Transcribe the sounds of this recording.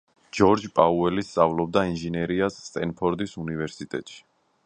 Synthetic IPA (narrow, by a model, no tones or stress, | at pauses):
d͡ʒɔɾd͡ʒpʼauɛlist̪sʼavlɔb̚d̪ainʒinɛɾiasːt̪ʼɛnpʰɔɾd̪isunivɛɾsit̪ʼɛt̪ʼʃi̥